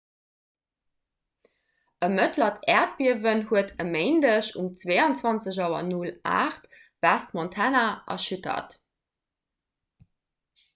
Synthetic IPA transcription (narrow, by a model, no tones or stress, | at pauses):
əmətʰlɐtʰɛːɐt̚biəvənhuətəmeɪndəɕṵmt͡sveɪɑnt͡swɑnt͡səʑɑʊɐ̰nula̰ːχt | v̥æstmɔntʰænaʔɐ̰ʃutʰɐ̰t